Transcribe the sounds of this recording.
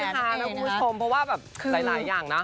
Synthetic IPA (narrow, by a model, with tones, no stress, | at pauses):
a˧˩aː˨˧˥na˧˦˥kʰu˧mbʰu˦˥˩t͡ɕʰo˧mpʰɔ˦˥waː˥˩bɛː˨˩p̚kʰɯː˧la˨˧˦laː˨˦jːaː˨˩ŋna˦˥